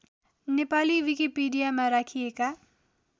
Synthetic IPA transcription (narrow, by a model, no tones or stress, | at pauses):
nepaːliʋikipiːɖijamãɾakʰieka